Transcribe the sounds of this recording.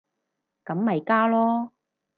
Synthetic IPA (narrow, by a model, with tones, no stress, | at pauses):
kɐ˨˥mːɐ˨jkaː˥lɔː˥